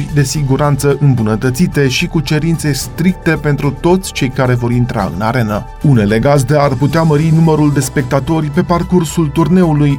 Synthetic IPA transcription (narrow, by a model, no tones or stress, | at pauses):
rʲd̪e̞siɡuɾant̪səʔɨmbunət̪ət̪sit̪e̞ʃikut͡ʃe̞ɾint̪se̞st̪ɾik̚t̪e̞pe̞nt̪ɾut̪o̞t̪sʲt͡ʃejkaɾe̞vo̞ɾint̪ɾa̰ɨ̰naɾe̞nə | une̞le̞ɡazd̪e̞arput̪eaməɾinuməɾuld̪e̞spe̞k̚t̪at̪o̞rʲpe̞parkursult̪urne̞uluj